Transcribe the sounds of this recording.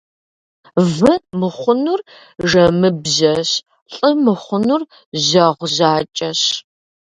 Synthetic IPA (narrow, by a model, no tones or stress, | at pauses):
vɨmɨχʷʊnur | ʒɐmɨbʑɐɕ | ɬʼɨmɨχʷʊnur | ʑɐʁʷʑaːt͡ʃʼɐɕ